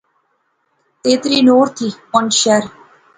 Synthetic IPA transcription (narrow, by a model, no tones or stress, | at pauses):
t̪eːt̪ɾiːnoːɾt̪ʰipɔnʃɛɾ